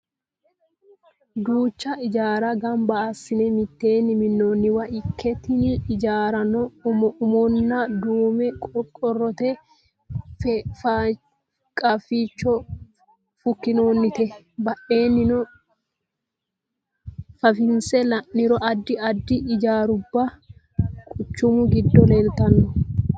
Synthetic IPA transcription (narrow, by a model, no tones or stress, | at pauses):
d̪uːt͡ʃːɐɪd͡ʒaːɾɐɡɐmbɐasɪnɛmɪt̪ːeːnːɪmɪnːoːnːɪwɐʔɪkʰːɛt̪ɪnɪɪd͡ʒaːɾɐnɔʊmɔnːad̪uːmɛkʼɔkʼɔrːɔt̪ɛ | ffa | kʼɐfiːt͡ʃːɔ | fʊkːɪnoːnːɪt̪ɛ | bɐʔe̞ːnːɪnɔ | fɐfɪnsɛlɐʔnːɪɾɔʔɐd̪ːɪɐd̪ːɪʔɪd͡ʒaːɾʊbːa | kʼʊt͡ʃːʊmʊɡɪd̪ːɔleːlt̪ɐnːɔ